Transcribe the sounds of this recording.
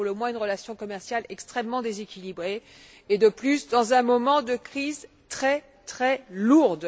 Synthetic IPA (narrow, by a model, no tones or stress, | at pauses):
ləmwɛ̃ynʁəlasjɔ̃kɔmɛʁsjalɛkst̪χɛmːɑ̃d̪ezekʲilibʁe | ed̪əplysd̪ɑ̃zɛ̃mɔmɑ̃d̪əkχiz | t̪χɛ | t̪χɛluʁd̪